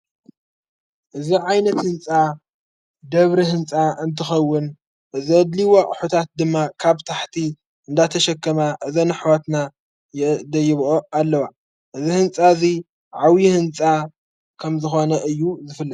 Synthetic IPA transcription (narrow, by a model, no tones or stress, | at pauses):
ʔɨziʕajnɐt̪hɨnt͡sʼa | d̪ɐβɾiɦɨnt͡sʼaɨnt̪ʰɨxɐwːʊn | ʔɨziɐd̪liwoʔʼħut̪ʰat̪̚d̪ɨmːakʰaβt̪ʰaħt̪ʰi | ʔɨnd̪at̪ʰɐʃɐkʰːɐmaʔɨzɐnɨħwat̪na | jɛd̪ɐjɪβʔoalːɐwa | ʔɨzihɨnt͡sʼazi | ʕawjihɨnt͡sʼa | kʰɐmzɨxo̞nɐʔɨjːuzɨfɨlːɨd̪